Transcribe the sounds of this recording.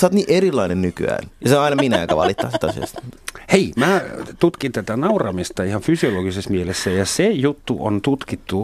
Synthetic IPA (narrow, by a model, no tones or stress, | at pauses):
sɑːt̪niːʔerilːˑɑinennyky̰æ̰ːnjɑseɑinɑminæ̰ːkæʋɑ̰lit̪ːɑsit̪ɑsḭɑ̰st̪heimæːt̪ut̪kint̪æt̪ænɑurɑmist̪ɑihɑnfysioloɡisesmielesːæjɑsejut̪ːuʔo̰nt̪ut̪kit̪ːu